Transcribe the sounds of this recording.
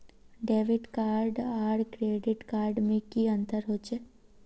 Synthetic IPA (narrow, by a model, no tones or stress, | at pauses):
ɖeːʋɪʈkaːɾɖaːɾɖkɾeːɖɪʈkaːɾɖmẽkiə̃nt̪əɾɦoːt͡ʃʰe